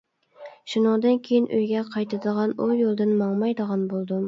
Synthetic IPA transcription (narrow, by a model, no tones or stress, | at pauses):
ʃunɑŋd̪ɨnkʲʰejɪnʔøjɡʲɛqʰɑjt̪ʰɪd̪əʁɑnʊjolˠd̪ɪnmɑŋmɑjd̪əʁɑnbolˠd̪ʊm